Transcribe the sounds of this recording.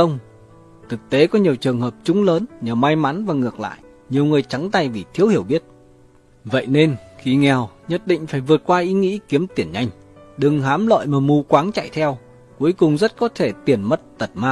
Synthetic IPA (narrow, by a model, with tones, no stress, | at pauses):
ə˧wŋ͡m | t̪ʰɨ˨˩k̚t̪e˨˦kɔ˨˦ɲi˨˩əwt͡ɕɨ˨˩əŋɦəː˨˩p̚t͡ɕʊ˨˦ŋ͡mləː˨˦nɲəː˨˩ma˧jma˨˦nvaː˨˩ŋɨ˨˩ək̚la̰ː˧˨j | ɲi˨˩əwŋɨ˨˩əjt͡ɕa˨˦ŋt̪a˧˩jvi˨˩t̪ʰi˨˦əwhi˧˩əwɓi˦˥ət̚ | və̰˧˨jne˧nxi˨˩ŋɛ˨˩wɲə˦˥t̚ɗḭ˧˨ŋ̟faː˧˩jvɨ˨˩ət̚kwaː˧ʔi˨˦ŋḭ˧˥ki˨˦əmt̪i˧˩ənɲa˧jŋ̟ | ɗɨ˨˩ŋɦaː˨˦mlə̰˧˨jmaː˨˩mu˧kwaː˨˦ŋt͡ɕa̰˧˨jt̪ʰɛ˧w | ku˨˦əjkʊ˨˩ŋ͡mzə˦˥t̚kɔ˨˦t̪ʰe˧˩t̪i˨˩ənmə˦˥t̚t̪ə˨˩t̚maː˧